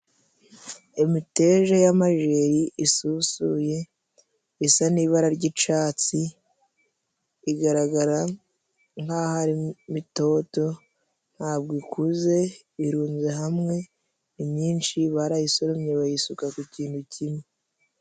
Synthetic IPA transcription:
imite̞ʒajamaʒe̞ɾiʔisusuje̞ | isaniːβaɾaɾɟit͡ʃaːt͡si | ɡaɾaɡaɾa | ŋkahaɾimito̞to̞ | n̥haːbɡoikuze̞ | iɾuːnze̞ɦamŋe̞ | imɲiːnʃiβaɾajisoɾomɲeβajisukakuciːnthucime

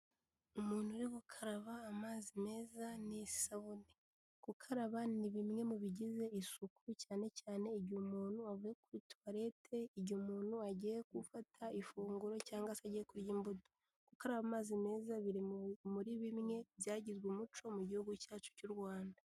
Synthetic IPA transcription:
umuːn̥huɾikukʰaɾaβaːmaːzime̞ːzanissaβune | kukʰaɾaβaniβimŋe̞muβiɟize̞isukuɾucaːne̞caːne̞iɟumuːnhuavujekuɾitwaɾe̞tʰe̞iɟumuːnhuaɟijekufatʰaifuːŋɡuɾo̞caːŋɡasaɟijekuɾjimbudo̥ | kukaɾaβamaːzime̞ːzaβiɾimuɾiβimŋe̞zjaːɟizɡwumut͡ʃo̞muɟihuɡucaːt͡ʃu̥cuɾɡwaːnda

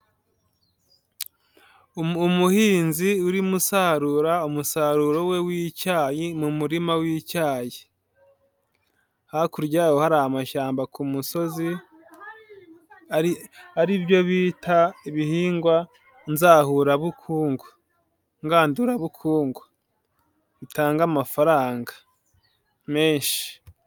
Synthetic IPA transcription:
umuhiːnziuɾimusaɾuɾaumusaːɾuɾo̞we̞wiːcaːjimumuɾimawiːcaːji | hakuɾɟaːwohaɾahamaʃaːmbakʰumuso̞zi | aɾiaɾiβjo̞βiːtʰaiβihiːŋɡwa | nzaːhuɾaβukʰuːŋɡo | ŋɡaːnduɾaβukʰuːŋɡu | βitaːŋɡamafaɾaːŋɡḁ | me̞ːnʃi̥

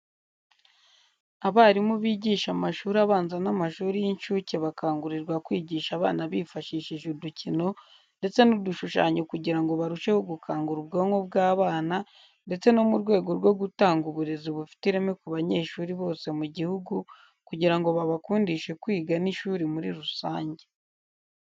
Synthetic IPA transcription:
aβaɾimuβiːɟiːʃamaʃuːɾaβaːnzanamaʃuːɾijinʃuːceβakaːŋɡuɾiɾɡwakwiːɟiːʃaβa̰ːnaβiːfaʃiːʃiʒuducino̞ | nde̞t͡se̞nuduʃuʃa̰ːɲokuɟiɾaŋɡo̞βaɾuʃe̞hoɡukʰaːŋɡuɾub̚ɡoŋo̞b̚ɡaːβaːna | nde̞t͡se̞nomuɾɡwe̞ːɡo̞ɾɡwo̞ɡutaːŋɡuβuɾe̞ziβufi̥tiɾemekuβaɲe̞ːʃuːɾiβo̞ːse̞muɟihuɡu | kuɟiɾaŋɡo̞βaβakuːndiʃe̞kwiːɡaniʃuːɾimuɾḭɾusaːɲɟe

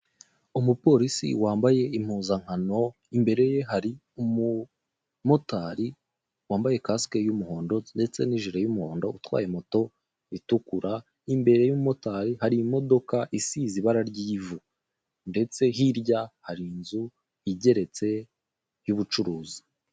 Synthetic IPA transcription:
umupo̞ɾisḭwaːmbaje̞im̥huːzaŋ̥hano̞ | imbe̞ɾe̞je̞ɦaɾi | umu | mo̞taːɾi | waːmbaje̞kaskejumuho̞ːndo̞nde̞t͡se̞niʒiɾajumuho̞ːndo̞utwa̰ːjemoto̞ | itukuɾa | imbe̞ɾe̞jumumo̞taɾihaɾimo̞do̞kaʔisiziβaɾaɾɟiːvu | nde̞t͡se̞ɦiɾɟahaɾinzu | iɟe̞ɾe̞t͡se̞ | juβut͡ʃuɾuːzi̥

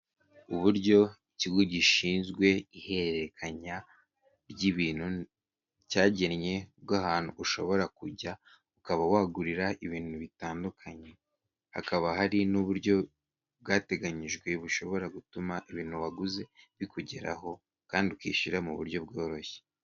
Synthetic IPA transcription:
uβuɾɟo̞iciɡuɟiʃiːnzɡwe̞ihe̞ɾekʰaɲa | ɾɟiβiːn̥hu | caːɟe̞nɲe̞b̚ɡaɦaːn̥hṵuʃo̞βo̞ɾakuɟa | ukaβawaːɡuɾiɾaʔiβiːn̥huβitaːndukʰaɲe̞ | ha̰kaβaɦaɾinuβuɾɟo̞ | bɡaːte̞ɡaɲiʒɡwe̞βuʃo̞βo̞ɾaɡutumaʔiβiːn̥huβaɡuze̞βikuɟe̞ɾa̰ɦo̞ | kaːndiukwḭːʃiɾamuβṵɾɟo̞bɡo̞ːɾo̞çe̥

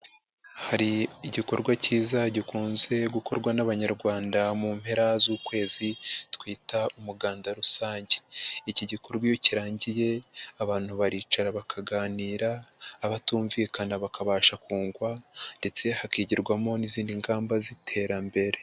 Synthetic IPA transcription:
haɾiːɟiko̞̰ɾɡwaciːzaɟikuːnze̞ɡuko̞ɾɡwanaβaɲaɾɡwaːndamuːmhe̞ɾazuːkwe̞ːzitkwiːtaumuɡaːndaɾusaːɲɟe̥iciɟiko̞ɾɡwijociɾaːɲɟije̞aβaːn̥huβaɾiːt͡ʃaɾaβakʰaɡaːniːɾaːβatuːɱviːkanaβakaβaːʃakuːŋɡwande̞t͡se̞hakiːɟiɾɡwamo̞niziːndiŋɡaːmbazitʰe̞ɾambe̞ɾe̞

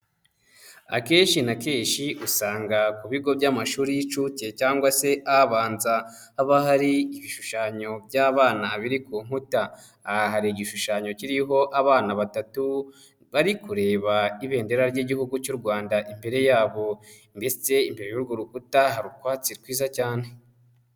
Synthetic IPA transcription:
a̰ke̞ːnʃinakeːʃiʔusaːŋɡakuβiɡo̞bɟaːmaʃuːɾit͡ʃuce̞caːŋɡwase̞ʔaβaːnzaː | βahaɾiiβiʃuʃaɲo̞bɟaːβaːnaβiɾikuːm̥hutaː | ɦaɾiːɟiʃuʃaɲo̞ciɾiɦo̞ʔaβaːnaβatatu | βaɾikuɾe̞ːβaiβe̞ːnde̞ɾaɾɟiːɟihuɡucuɾɡwaːndaʔimbe̞ɾe̞jaːβo̞ | mbet͡se̞imbe̞ɾejuɾɡoɾukutaɦaɾukwaːt͡sikwiːzacaːne̞

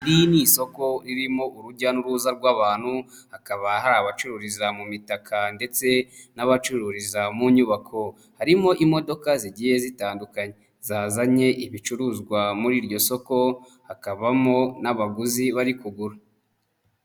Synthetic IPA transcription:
ɾiniso̞ko̞ɾiɾimo̞ʔuɾuɟanuɾuzaɾɡwaːβaːn̥huhakaβahaɾaβat͡ʃuɾuɾizamumitakʰande̞t͡se̞naβat͡ʃuɾuɾizamuɲuβakʰo̞ | haɾimo̞ʔimo̞do̞kaziɟiːje̞zitaːndukaɲe | zaːzaɲe̞ʔiβit͡ʃuɾuzɡwamuɾiːɾɟo̞so̞ko̞ | hakaβamo̞naβaɡuziβaɾikuɡuɾa

